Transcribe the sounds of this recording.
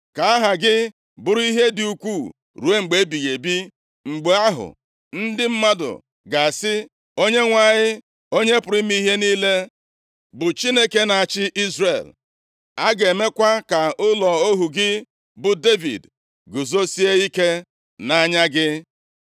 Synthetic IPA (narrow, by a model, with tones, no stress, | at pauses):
ka˨a˦ɦa˨ɡɪ˦ | bʊ˨ɾʊ˦i˦ɦe˦dɪ˨u˨kʷuː˦˨ | ɾu˨e˦ŋ͡m̩˨ɡ͡be˨˦bi˨ɣe˨bi˦ | ŋ͡m̩˨ɡ͡be˨a˦ɦʊ̰˨ | n̩˦dɪ˦m̩˦ma˦dʊ̰˨ | ɡa˨a˨sɪ˦ | o˦ɲe˦ŋʷa˦˨ɲɪ˦ | o˦ɲe˦pʊ˨ɾɪ˦mi˦ɦe˦niː˦le˦ | bʊ˨t͡ʃi˦ne˦ke˦na˨a˨t͡ʃɪ˦ʔi˦zre˨l | a˦ɡe˨me˦kʷa˦ka˨ʊ˦lɔ˨o˦ɦu˨ɡɪ˦ | bʊ˨de˦vḭ˨d | ɡʊ˨zo˦si˦e˦i˦ke˦ | na˦ɲa˦ɡɪ˦